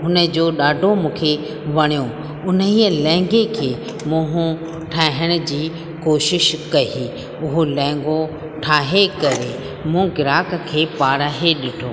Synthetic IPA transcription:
ɦʊnə̆d͡ʑoːɗaːɖʱomũːkʰe | ʋɐɽ̃ijo | ʊnəɦiːəlɛ̃ːŋɡekʰeː | mũɦʊ̃ | ʈʰaːɦəɽ̃ə̆d͡ʑiː | koːʃɪʃkɐɦi | ʊɦolɛ̃ːŋ̆ɡo | ʈʰaːɦekɐɾe | mũːɡɪɾaːkkʰeːpaːɾaɦeɗɪʈʰoː

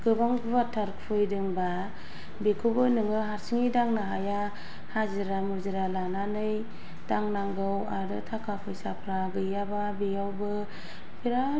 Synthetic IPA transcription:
ɡ̥ɯbaŋbɯβatʰaɾkʰpʰɯjdɯŋba | bekʰɯbɯnɯŋɯɦaɾsiŋidaŋnaɦaja | hazɯɾamuɾziɾalananɯj | d̥aŋnaŋɡɯwaɾɯ̰tʰakʰapʰɯjsapʰɾaɡɯjababejawbɯ | pʰiɾa

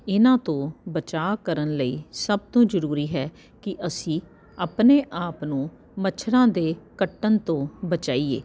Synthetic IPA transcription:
ɪnãːt̪õːbət͡ʃaːkəɾənləḭːsəb̚t̪õːzəɾuːɾiːɦɛː | kɪʔəsĩː | aːpneːʔaːpnũː | mət͡ʃʰɾãːd̪eːkəʈːənt̪õːbət͡ʃaːiḛː

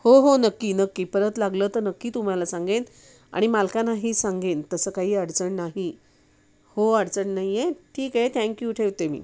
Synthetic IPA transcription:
hoɦonəkːiːnəkːiːpəɾət̪laɡləːt̪əɾnəkːiːt̪um̤alasãŋɡen | a̰ɽ̃imalkanaɦiːsãŋɡent̪əsəːkaɦiːəɽt͡səɳnaɦi | hoəɽt͡səɳnaɦijeʈʰiːkɦet̪ʰɛ̃ŋkjuʈʰeʋt̪emḭː

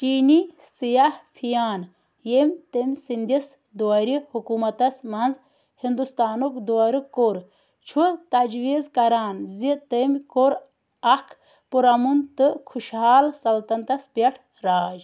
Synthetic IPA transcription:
t͡ʃiːni | sijahpʰijaːn | jemʲt̪emʲsind̪is | d̪uɐɾihukumɐt̪ɐsmɐnz | hind̪ust̪aːnukd̪uɐɾɨkoɾ | t͡ʃʰut̪ɐd͡ʒʋizkɐɾaːnzit̪emʲkoɾ | ɐkʰ | puɾɐmunt̪ɨkʰuʃɦaːlsɐlt̪ɐnt̪ɐspeʈʰ | ɾaːd͡ʒ

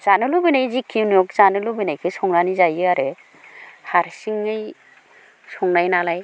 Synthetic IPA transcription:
z̥anɯlubinajzikʰinɔk̚zanɯlubinajkʰɯsɔŋnanizajɯaɾɯ | haɾsiŋɯj | sɔŋnajnalaj

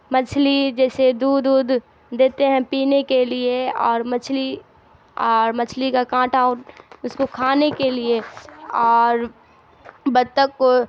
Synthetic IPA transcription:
mɐt͡ʃʰlid͡ʒɛːsed̪uːd̪uːd̪ | d̪eːt̪eɦɛ̃piːnekelieɔːɾmɐt͡ʃʰli | ɔːɾmɐt͡ʃʰlikakãːʈʰaːʊnʊskokʰaːnekelieɔːɾ | bɐd̪t̪əkːo

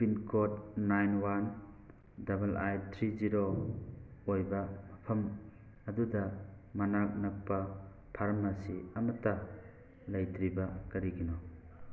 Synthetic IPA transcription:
pinkʰot̚najnwan | dɐbɐlajtʰɾiziɾo | ojbɐmɐpʰɐm | ɐdudɐmɐnak̚nɐk̚pɐ | pʰaɾmasiɐmɐtɐ | lɐjtɾibɐkɐɾiɡinɔ

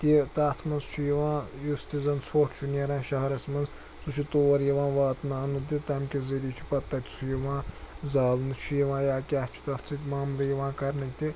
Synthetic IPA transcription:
t̪it̪aːt̪ʰmɐnzt͡ʃʰujɐʋãːjust̪izɐnsʰoʈʰt͡ʃʰuneɾãːʃɐɦɐɾɐsmɐnz | t͡sut͡ʃʰut̪oːɐɾjɐʋãːʋaːt̪naːnɨd̪it̪ɐmʲkʲeziɾʲiːt͡ʃʰu̥pɐt̪ːɐt̪ʲt͡sʰujɐʋãːzaːlnɨt͡ʃʰujɐʋãːjaːkʲaːht͡ʃʰu̥t̪ɐt̪ʰt͡sʰɨt̪ʲmaːmlɐjɐʋãːkɐɾnɐjt̪i

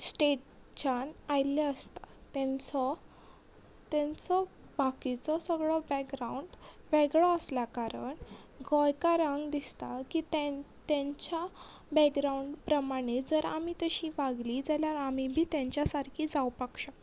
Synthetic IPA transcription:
sʈeʈ | t͡ɕənajleəst̪ḁt̪ɛ̃nt͡sɔ | t̪ɛ̃nt͡sɔ | bakit͡sɔsəɡɭɔbɛkɡɾauɳɖ | ʋɛɡɭɔəsljakaɾəɳ | ɡɔjkaɾaŋɡd̪ist̪akit̪ɛ̃ | t̪ɛ̃ɲt͡ɕa | bɛɡɡɾauɳɖpɾəmaɽ̃ed͡zəɾa̰mit̪əɕiʋaɡlid͡zaljaɾamibʱiːt̪jãɲt͡ɕjasaɾkʰiːd͡zawpəkʂa

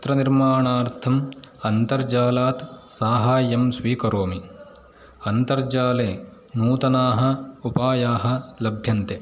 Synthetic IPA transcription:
t̪ɾɐniɾmaːɳaːɾt̪ʰɐmɐnt̪ɐɾd͡ʒaːlaːt̪saːɦaːjːɐmsʋiːkɐɾoːmi | ɐnt̪ɐɾd͡ʒaːleː | nuːt̪ɐnaːɦɐ̆upaːjaːɦɐ̆lɐbʱjɐnt̪e

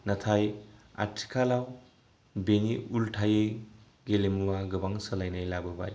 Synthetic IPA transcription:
nɐtʰaja̰tʰi̥kʰalaw | beniulʈʰaje | ɡelemuwaɡɯbaŋsəlajnajlabɯba̰j

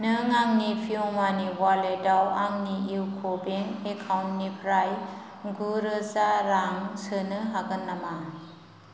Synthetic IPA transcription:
nɯŋaŋnipʰiɔmaniwaledawaŋniiwkʰobeŋekʰawnnipʰɾaj | ɡuɾɯzaɾaŋsɯnɯɦaɡɯnːama

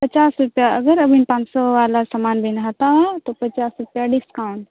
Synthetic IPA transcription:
pɐt͡ʃaːsɾʊpjaɐɡəɾɐbʱinpãːt͡ʃsɔʋalasamaːnbʱenɦat̪ãt̪opɐt͡ʃaːsɾʊpjaɖɪskaʊɳɖ

